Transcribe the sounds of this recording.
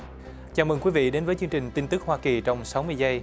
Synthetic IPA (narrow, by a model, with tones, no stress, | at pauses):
t͡ɕaː˨˧˩mɨː˨˩ŋkwi˨˦vḭ˧˨ɗe˨˦nvəː˨˦jt͡ɕɨ˧əŋt͡ɕï˨˩ŋ̟t̪i˧nt̪ɨ˦˥k̚hwaː˧ki˨˩t͡ɕɔ˧wŋ͡msa˨˦wmɨ˧əjzə˧j